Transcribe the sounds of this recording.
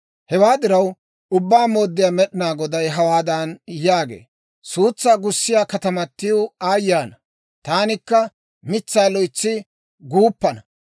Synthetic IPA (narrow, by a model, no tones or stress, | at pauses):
hɛwaːd̪ɪɾɐw | ʊbːaːmo̞ːd̪ːɪjaːmɛɗɪnaːɡɔd̪ɐjɦɐwaːd̪ɐnjaːɡḛː | suːt͡sːaːɡʊsːɪjaːkɐt̪ɐmɐt̪ːɪjoaːjːaːnɐ | t̪aːnɪkːɐ | mɪt͡sːaːlɔjt͡sːɪ | ɡuːpːɐnɐ